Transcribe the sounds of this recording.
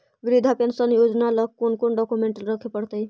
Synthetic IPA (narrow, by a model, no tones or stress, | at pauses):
ɡɾid̪ʱapensənjod͡ʒnalək̚kːonkonɖɔkumeɳʈəlɾəkʰepəɽt̪əj